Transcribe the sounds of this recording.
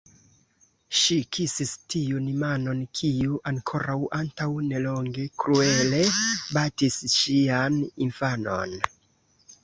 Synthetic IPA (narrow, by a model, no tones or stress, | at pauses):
ʃikʰisistijunimano̞nkʰijuʔaŋkʰo̞ɾawʔantawne̞lo̞ŋɡe̞kɾue̞le̞batisʃianinfano̞̰n